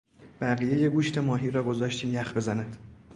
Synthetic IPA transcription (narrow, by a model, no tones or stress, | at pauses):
b̥æɣijejeɡuːʃt̪ʰe̞mɒːɦiːɾɒːɡo̞zɒːʃt̪ʰiːmjæxbe̞zænæd̪̥